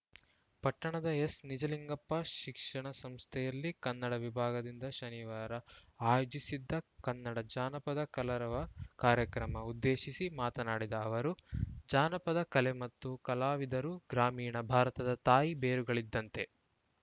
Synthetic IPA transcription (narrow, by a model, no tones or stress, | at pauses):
pɐʈːɐɳɐd̪ɐe̞snid͡ʒɐliŋɡɐpːɐʃikʂɐɳɐsɐmst̪ʰɛjɐlːikɐnːɐɽɐʋibʱaːɡɐd̪ind̪ɐʃɐniʋaːɾɐaːjoːd͡ʒisid̪ːɐkɐnːɐɽɐd͡ʒaːnɐpɐd̪ɐkɐlɐɾɐʋɐkaːɾjɐkɾɐmɐud̪ːe̞ːʃisimaːt̪ɐnaːɽid̪ɐːʋɐɾud͡ʒaːnɐpɐd̪ɐkɐlemɐt̪ːukɐlaːʋid̪ɐɾuɡɾaːmiːɳɐbʱaːɾɐt̪ɐd̪ɐt̪aːjibeːɾuɡɐɭid̪ːɐnt̪e̞